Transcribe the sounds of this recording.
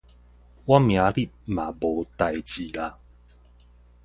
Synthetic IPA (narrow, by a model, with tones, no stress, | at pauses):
wa˦mj̃ã˨˧˦li˦˨t̚mã˨˩bo˨˦t̪a˨˩jt͡ɕi˨˩la˧